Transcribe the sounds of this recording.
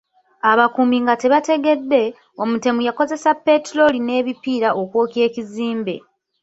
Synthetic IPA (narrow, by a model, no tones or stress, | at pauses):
aβakumiŋɡate̞βate̞ɡe̞dːe̞ | o̞mute̞mujako̞ze̞sapːe̞tɾo̞line̞ːβipiːɾaʔokwo̞ːke̞ːciziːmbe̞̰